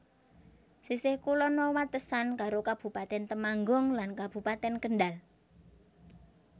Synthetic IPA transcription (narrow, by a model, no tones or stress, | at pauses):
sisɪhkulɔnɔwat̪əsankaɾokab̥ṳpat̪ɛnt̪əmaŋɡɔŋlankab̥ṳpat̪ɛnkəɳɖal